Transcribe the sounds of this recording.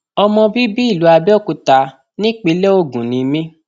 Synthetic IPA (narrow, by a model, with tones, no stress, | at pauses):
ɔ˧mɔ̃˧bi˦bi˦i˦˨lu˨˦a˧bɛ˦˨ku˧ta˧ | nĩ˦k͡pe˨˧˦le˦o˦˨ɡũ˨nĩ˨˧mĩ˦